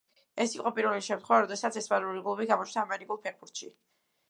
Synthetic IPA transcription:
ɛsiqʼɔpʼiɾvɛliʃɛmt̪ʰχwɛvaɾɔd̪ɛsat̪sʰɛspʼaluɾiɡlˠɔbiɡamɔt͡ʃʰd̪aːmɛɾikʼulˠpʰɛɾbuɾt̪ʃḭ

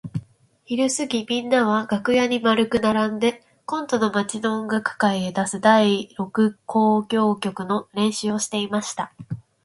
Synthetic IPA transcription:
çiɾɯ̟sɨɡʲimʲĩnːaβ̞aɡ̥akɯ̟jaɲ̟imaɾɯ̟kɯ̟naɾãnd̪e̞ | kõ̞nt̪o̞no̞mat͡ɕino̞ŋɡakɯ̟̥kaied̪asɨd̪aiɾo̞kɯ̟kʰo̞ːɡʲo̞ːkʲo̞kɯ̟no̞ɾẽ̞ɰ̃ɕɨo̞ɕi̥t̪e̞imaɕi̥t̪a

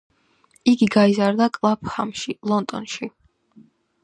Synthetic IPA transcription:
iɡiɡaizaɾd̪akʼlˠap̚ʰhamʃilˠɔnd̪ʼɔ̰nʃi

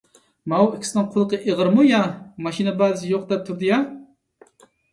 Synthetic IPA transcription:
mɑwikʲʰsɪnɨŋqʰʊlˠəqəʔeʁəɾmujɑmɑʃinɛbælɪs̬ɪjoq̚d̪ɛp̚t̪ʰuɾd̪ɨjɑ

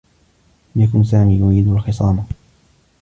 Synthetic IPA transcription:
mjakʊnsaːmiːjʊɾiːd̪alxɪsˤɑːma

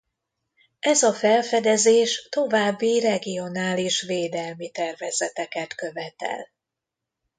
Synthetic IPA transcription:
ɛzɒfɛlfɛd̪ɛzeːʃt̪o̞vaːbːirɛɡijo̞naːliʃveːd̪ɛlmit̪ɛrvɛz̥ɛt̪ɛkɛt̪køvɛt̪ɛ̰l

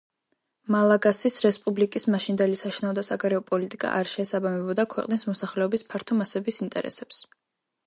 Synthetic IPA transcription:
malˠaɡasisɾɛspʼublikʼismaʃind̪ɛlisaʃnaɔd̪asaɡaɾɛɔpʼɔlit̪ʼikʼa̰ʔaɾʃɛːsabamɛbɔd̪akʰwɛ̰qʼnismɔsaχlɛɔbispʰaɾt̪ʰɔmasɛbisint̪ʼɛ̰ɾɛ̰sɛps

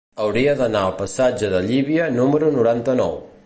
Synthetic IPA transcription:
əwɾiəðənaəlˠpəsad͡ʒəðəʎiβiənuməɾunuɾant̪ənɔ̰w

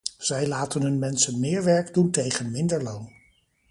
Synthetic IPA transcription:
z̥ɛjlaːtənɦɵnmɛnsənmɪːɹʋɛɹɡduntejχənmɪndəɹlown

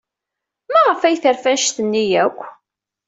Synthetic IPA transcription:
mæʁəfæjθəɾfænʃθənːijækʷː

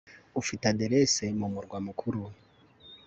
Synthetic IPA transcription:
ufitadeɾesemumuɾɡwamukʰuɾu

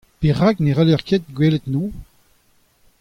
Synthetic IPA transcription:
peʁakneʁɛlœʁkʰet̪̚ɡweːlet̪no

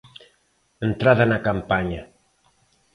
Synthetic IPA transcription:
ənt̪ɾaðanakampaɲa

